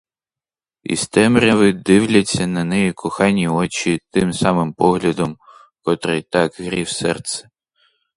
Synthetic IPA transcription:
ḭst̪ɛmɾʲɐʋɪd̪ɪwlʲɐt͡sʲːɐnɐnɛjikʰʊxɑnʲːiɔt͡ʃit̪ɪmsɑmɪmpɔɦlʲɐd̪ɔm | kɔt̪ɾɪjt̪ɑkɦɾʲiwsɛrt̪sɛ̥

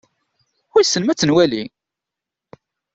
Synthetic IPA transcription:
ʊɾsːənmæt͡sːənwæli

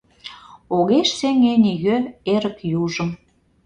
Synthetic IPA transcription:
oɣeʃseŋeniɣøeɾəkjuʒə̆m

